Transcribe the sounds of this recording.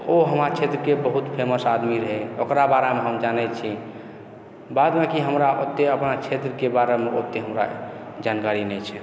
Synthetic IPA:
oɦəmɾat͡ʃʰet̪ɾəkebəɦut̪pʰeməsad̪miɾəɦɛokɾabaɾameɦəmd͡ʒanɛt͡ʃʰi | bad̪mekiɦəmɾaʔot̪ːeəpnat͡ʃʰet̪ɾəkebaɾemeot̪ːeɦəmɾa̰d͡ʒankaɾinɛt͡ʃʰɛ

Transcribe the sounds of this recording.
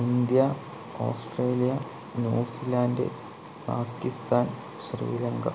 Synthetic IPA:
ind̪jɐ | o̰ːsʈreːlijɐ | nuːsilaːndḛ | paːkːist̪ʰaːn | ɕrḭːlɐŋɡɐ̰

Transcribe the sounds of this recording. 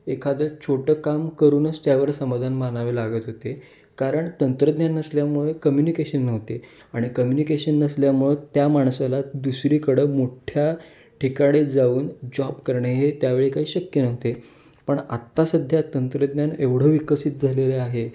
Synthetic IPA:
ekʰad͡z̪ət͡ɕʰoʈəkamkəɾuːnəst̪jaʋəɾsəmad̪ʱanmanaʋelaɡət̪ɦot̪e | kaɾəɳt̪ənt̪ɾəd̪njanːəsljamuɭekəmjunikeɕənːəʋt̪e | aɽ̃ikəmjunikeɕənːəsljamuɭet̪jamaɳsalad̪usɾiːkəɽəːmoʈʰja | ʈʰikaɽid͡zauːnd͡ʑɔbkəɾɳeɦet̪jaʋeɭekaɦiːɕəkjənəʋt̪e | pəɳa̰t̪ːasəd̪ʱjat̪ənt̪ɾəd̪njaneʋɽ̤əːʋikəsit̪̚d͡zʱaleleaɦe

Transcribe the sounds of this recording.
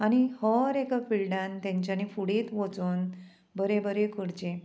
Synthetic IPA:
añihəɾekafiɭɖãnt̪ãɲt͡ɕjanifuɽiːt̪ʋot͡suːn | bəɾebəɾekəɽd͡ʑẽ

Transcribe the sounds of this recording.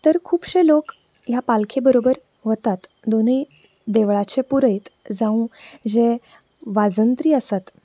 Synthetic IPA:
t̪əɾkʰuːbɕelok | japalkʰebəɾobəɾ | ʋət̪at̪ | d̪onəi | d̪eʋɭat͡ɕepuɾəjt̪d͡zaũd͡ʑe | ʋad͡zənt̪ɾiːəsat̪

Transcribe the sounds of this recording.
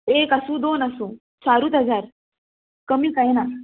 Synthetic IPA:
ekasũːd̪onasũː | saɾuːt̪ɦəd͡zaɾ | kəmiːkaɦina

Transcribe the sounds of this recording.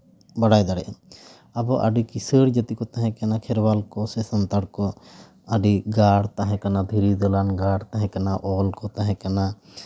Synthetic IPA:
baɽajd̪aɽɛʔ | abɔʔa̰ɖikisəɽd͡ʒət̪ikɔt̪aɦɛ̃kanakʰɛɾbalkɔsɛsɔnt̪aɽkɔ | aɖiɡaɽt̪aɦɛ̃kanad̪ʱiɾid̪ɔlanɡaɽt̪aɦɛ̃kanaʔɔlkɔt̪aɦɛ̃kana

